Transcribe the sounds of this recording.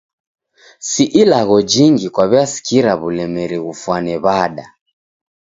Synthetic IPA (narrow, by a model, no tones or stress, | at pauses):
siʔilaɣɔd͡ʒiŋɡikwaβiasi̥kiɾaβulɛmɛɾiɣufwanɛβaɗa